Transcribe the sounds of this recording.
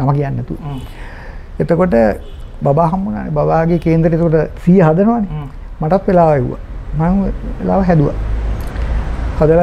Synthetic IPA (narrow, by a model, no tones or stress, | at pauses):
namakijanːɛt̪u | et̪əkoʈ̬ə | babaːɦambunoa̰nebabaːɡeːkeːnd̪ɾəʈet̪əkoʈəsijəɦad̪ənoʋane | maʈat̪ʋelaːʋəeṵʋa̰maḛla̰ːʋəɦɛd̪uʋa̰ | had̪əl